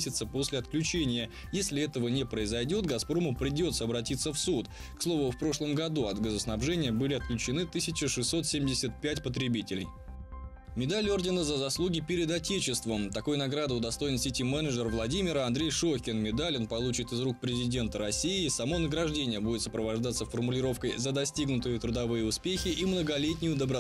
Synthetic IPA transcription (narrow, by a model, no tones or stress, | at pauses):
sʲɪt̪səpo̞sʲlʲɪɐt̪klʲʉt͡ɕenʲɪjə | jesʲlʲɪɛt̪əvənʲɪpɾəɪzɐjdʲo̞t̪ɡɐspɾo̞məpɾʲɪdʲo̞t̪səɐbɾɐtʲit̪sːəfsut̪ | kslˠo̞vʊfpɾo̞ʂlˠəmɡɐd̪uɐd̪ɡəzəsnɐbʐɛnʲɪjəbɨlʲɪɐt̪̚klʲʉt͡ɕɪnɨt̪ɨsʲɪt͡ɕɪʂɨsːo̞t̪sʲemʲdʲɪsʲət̪̚pʲætʲpət̪ɾʲɪbʲitʲɪlʲɪ̰j | mʲɪd̪alʲɪo̞rdʲɪnəzəzɐslˠuɡʲɪpʲɪɾʲɪd̪ɐtʲet͡ɕɪst̪vəmt̪ɐko̞jnɐɡɾad̪ɨʊd̪ɐst̪o̞jɪnsʲɪtʲimɛnəʐərvlˠɐdʲimʲɪɾəɐnd̪ɾʲejʂoxʲɪnmʲɪd̪alʲonpɐlˠut͡ɕɪt̪ɨzɾuk̚pɾʲɪzʲɪdʲe̞nt̪əɾɐsʲiɪsɐmo̞nəɡɾɐʐdʲenʲɪjəbudʲɪt̪səpɾəvɐʐd̪at̪səfərmʊlʲɪɾo̞fkəjzəd̪ɐsʲtʲiɡnʊt̪ɨjɪt̪ɾʊd̪ɐvɨjəʊspʲexʲɪʔimnəɡɐlʲetʲnʲɪjʊd̪əbɾɐ